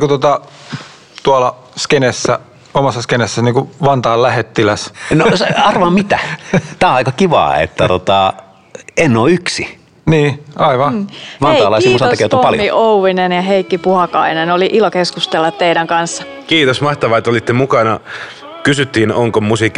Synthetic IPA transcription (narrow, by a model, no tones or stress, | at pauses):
kut̪ot̪ɑ | t̪uɑlɑ | skenesːæ̰ | omɑsːɑskenesːæniːŋkuʋɑnt̪ɑːllæhet̪ːilæsnosɑrʋɑmmit̪æt̪æːɑikɑkiʋɑ̰ːḛt̪ːæt̪ot̪ɑ | enːoːyksi | niːʔɑiʋɑʋɑnɑːlɑissimtsɑoɑkeˑt̪uoɑljmiʔouʋinenjɑɦeikːipuhɑkɑ̰inenoliʔilokeskust̪elːɑt̪t̪eiɾæŋkɑnsːɑ̥ | kiːt̪osmɑht̪ɑʋɑet̪ːolit̪ːemukɑnɑ | kysyt̪ːiːnoŋkomusikːi